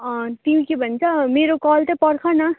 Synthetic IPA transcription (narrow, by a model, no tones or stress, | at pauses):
ʌt̪iɦũkibʱʌnt͡sʰʌmeɾokɔlt̪ʌpʌɽkʰʌnʌ